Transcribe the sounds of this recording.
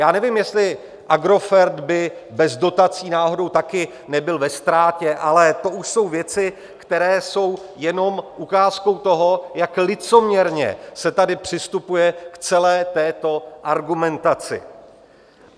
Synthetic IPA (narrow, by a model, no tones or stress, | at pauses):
jaːnɛvɪmjɛst̪lɪ | ʔaɡɾo̞fɛɾd̪bɪbɛzdo̞t̪at͡siːnaːɦo̞do̞wt̪akɪ | nɛbɪlvɛst̪ɾaːcɛʔalɛt̪o̞ʔuʃso̞wvjɛt͡sɪ | kt̪ɛɾɛːso̞wjɛno̞mʔukaːsko̞wt̪o̞ɦo̞jaklɪt͡somɲɛɾɲɛ̰sɛt̪adɪpr̥ɪst̪upujɛkt͡sɛlɛːt̪ɛːt̪o̞ʔaɾɡumɛnt̪at͡sɪ̰